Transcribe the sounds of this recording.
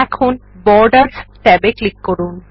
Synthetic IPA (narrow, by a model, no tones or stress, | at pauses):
ɛkʰonbɔɾɖaɾsʈɛbeklikːoɾun